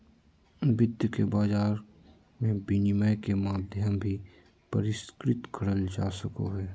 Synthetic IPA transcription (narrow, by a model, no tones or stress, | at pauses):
bɪd̪jəkebaːd͡ʒaːɾ | mẽbinɪməjkemaːd̪ʱjəmbʱi | pəɾɪskɾɪt̪kʰəɽəld͡ʒaːsəkoɦɛː